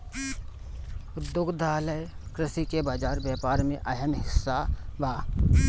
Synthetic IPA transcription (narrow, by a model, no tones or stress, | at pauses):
ʊd̪jʊɡd̪aːləjkɾɪsikebaːd͡ʒaːɾbjaːpaːɾmẽʔɐɦəmɦɪsːabaː